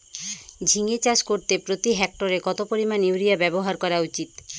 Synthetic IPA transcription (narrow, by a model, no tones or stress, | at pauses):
d͡ʑʱiŋet͡ɕaʃkoɾt̪epɾot̪iɦɛk̚ʈoɾekɔt̪opoɾimanuɾijabɛboɦaɾkɔɾaut͡ɕit̪